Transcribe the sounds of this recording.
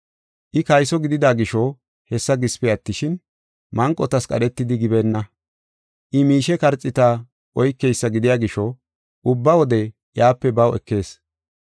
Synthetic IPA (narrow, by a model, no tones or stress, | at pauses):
ʔɪkɐjsɔɡɪd̪ɪd̪aːɡɪʃɔ | hɛsːɐɡɪspɛɐt̪ːɪʃɪn | mɐŋkʼːɔt̪ɐskʼɐ̰ɗɛt̪ːɪd̪ɪɡɪbɛnːɐ | ʔɪmiːʃɛkɐɾt͡sʼːɪt̪a | ʔɔjkːɛjsːɐɡɪd̪ɪjaːɡɪʃɔ | ʔʊbːɐwɔd̪ɛ | jaːpːɛbɐwɛ̰kːe̞ːs